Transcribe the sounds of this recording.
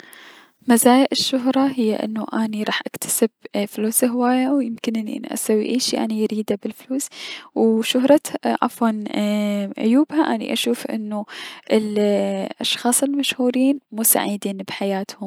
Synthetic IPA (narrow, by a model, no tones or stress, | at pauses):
mazaːjaʔɪʃːʊɦɾˤɑɦɪjːaʔɪ̰nːuʔaːniɾˤɑːħʔakt̪ʰḁsɪb̚fluːsɦɪwaːjawjɪmkɪnʔɪnːiʔa̰nːḭʔa̰sawːḭʔeːʃiʔa̰nijɾiːd̪abɪlfluːswʃʊɦɾˤɑʔa̰fwɑn | ʔʊ̰juːbhaʔanḭʔaʃuːfʔɪ̰nːuʔɪlʔɑʃxɑːsˤɪlmaʃhuːɾiːnmuːsa̰ʕid̪iːnbħajaːt̪hʊm